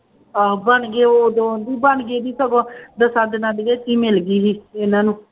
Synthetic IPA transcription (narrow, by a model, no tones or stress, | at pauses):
abəɳɡeːoːd̪õːd̪iːbəɳɡeːd̪iːsəɡõd̪əsaːd̪naːd̪ɡeːt̪iːmɪlɡiːɦiːɪnaːnũː